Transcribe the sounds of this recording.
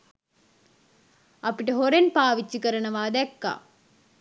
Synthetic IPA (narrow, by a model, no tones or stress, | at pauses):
ɐpiʈəɦoɾenpaːʋit͡ʃːikəɾənəʋaːd̪ɛkːa̰ː